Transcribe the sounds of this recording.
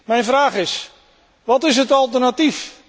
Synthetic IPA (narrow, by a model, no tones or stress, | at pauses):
mɛjnfraːχɪs | ʋɔtɪs̬ɦətɔlˠtərnatif